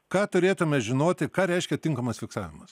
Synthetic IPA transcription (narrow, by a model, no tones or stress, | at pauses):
kɑːt̪ʊɾʲeːt̪ʊmʲɛʒʲɪnoːt̪ʲɪkɑːɾʲɛɪʃʲkʲɛt̪ʲɪŋkɐmɐsfʲɪksɑːʋʲɪmɐs